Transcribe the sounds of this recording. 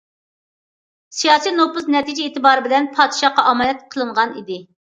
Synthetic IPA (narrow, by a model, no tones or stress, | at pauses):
sijɑːsijnopʊsnɛt̪id͡ʒɛeːt̪ʰɨbɑːɾɨbɪlɛnpʰɑːd̪ɪʃɑqɑʔɑmɑːnɛt̪̚qʰəlˠɨɴʁɑnḭd̪ɪ